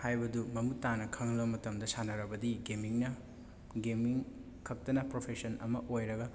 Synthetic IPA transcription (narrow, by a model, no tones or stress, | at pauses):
hajbɐdumɐmutanɐkʰɐŋlɐmɐtɐmdɐsanɐɾɐbɐdiɡemiŋnɐ | ɡemiŋ | kʰɐk̚tɐnɐpɾopʰesɐnɐ̰mɐʔojɾɐɡɐ